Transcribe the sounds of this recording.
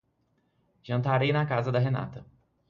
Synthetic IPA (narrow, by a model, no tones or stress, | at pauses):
ʒ̥ɐ̃nt̪aɾejnɐkazɐd̪ɐɦena̰t̪ɐ